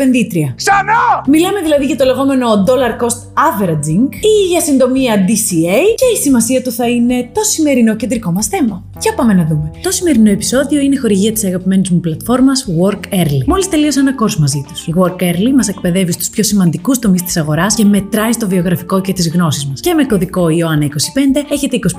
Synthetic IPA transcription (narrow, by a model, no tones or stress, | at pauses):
pe̞nðit̪ɾiɐksɐnomilɐme̞ðilɐðiʝɐt̪o̞le̞ɣo̞me̞no̞d̪o̞lɐɾko̞st̪ɐveɾɐd͡ziŋɡiʝɐsind̪o̞miɐd̪isiejce̞isimɐsiɐt̪uθɐine̞t̪o̞sime̞ɾino̞ce̞nd̪ɾiko̞mɐsθe̞mɐ | cɐpɐme̞nɐðume̞t̪o̞sime̞ɾino̞e̞pi̥so̞ðio̞ine̞xo̞ɾiʝiɐt̪i̥sɐɣɐpime̞nizmuplɐt̪fo̞ɾmɐsɣo̞ɾkeɾlimo̞list̪e̞lio̞senɐko̞ɾsmɐzit̪u̥siɣo̞ɾkeɾlimɐse̞kpe̞ðe̞vist̪u̥spço̞simɐnd̪ikust̪o̞mist̪i̥sɐɣo̞ɾɐsce̞me̞t̪ɾɐist̪o̞vio̞ɣɾɐfiko̞ce̞t̪izɣno̞sizmɐsce̞me̞ko̞ðiko̞ioɐnɐiko̞si̥pe̞nd̪e̞eçe̞t̪eiko̞si